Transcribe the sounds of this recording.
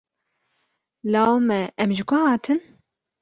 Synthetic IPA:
lɑːwmɛʔɛmʒɪkʰʷʊhɑːt̪ʰɨn

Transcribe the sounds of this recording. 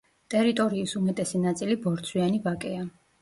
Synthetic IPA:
t̪ʼɛɾit̪ʼɔɾiːsumɛt̪ʼɛsinat̪sʼilibɔɾt̪sʰwianivakʼɛa

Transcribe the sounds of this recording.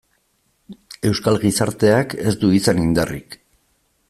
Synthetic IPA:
e̞wskalɣisaɾt̪e̞ake̞zd̪uisanind̪arḭk

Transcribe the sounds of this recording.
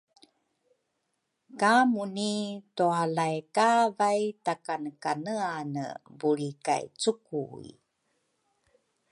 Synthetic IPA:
kamunitoalajkavajtakanəkanəanə̰buɭika̰jt͡sukuḭ

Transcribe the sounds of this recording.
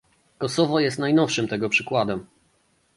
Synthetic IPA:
kɔsɔvɔjɛst̪najnɔfʂɘmt̪ɛɡɔpʂɘkwad̪ɛm

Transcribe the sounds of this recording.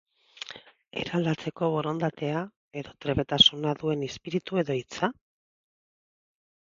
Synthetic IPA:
e̞̰ɾald̪at͡se̞ko̞βo̞ɾo̞nd̪at̪e̞a | e̞ðo̞t̪ɾe̞βe̞t̪asunaðue̞nespiɾit̪ue̞ðo̞it͡sa

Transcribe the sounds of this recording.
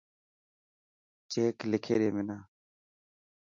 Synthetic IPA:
t͡ʃeːklɪkʰeːɗeːmɪnaː

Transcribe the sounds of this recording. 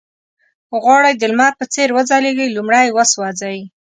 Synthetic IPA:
ɣwɑɽajd̪əlmɑt̪̚pət͡seɾwəd͡zɑleɡəjlumɽajwəswɑd͡zaji

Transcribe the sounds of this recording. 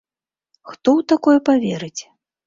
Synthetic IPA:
xt̪ɔwt̪akɔjɛpavʲeɾɨt͡sʲ

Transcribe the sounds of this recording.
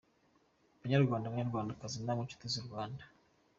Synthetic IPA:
βaɲaɾɡwaːndamɲaɾɡwaːndakazinamut͡ʃu̥tiziɾɡwaːnda

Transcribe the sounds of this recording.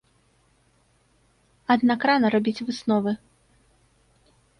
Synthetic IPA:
ɐd̪nakɾanɐɾabʲit͡sʲvɨsnɔvɨ

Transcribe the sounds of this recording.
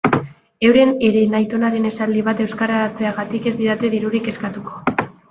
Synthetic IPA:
e̞wɾe̞ne̞ɾe̞najt̪o̞naɾe̞ne̞sald̪iβ̞at̪e̞wskaɾat͡seaɣat̪ike̞zd̪iɾat̪eðiɾuɾike̞skat̪uko̞

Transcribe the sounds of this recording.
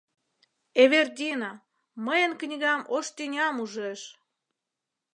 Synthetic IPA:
eβerd̪ʲino | məjənknʲiɣɑmoʃt̪ʲenʲɑmuʒeʃ

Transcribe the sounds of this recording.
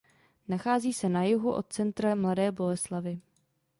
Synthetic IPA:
naxaːziːsɛnajʊɦuʔo̞t̪̚t͡sɛnt̪ɾamladɛːbo̞lɛslavɪ

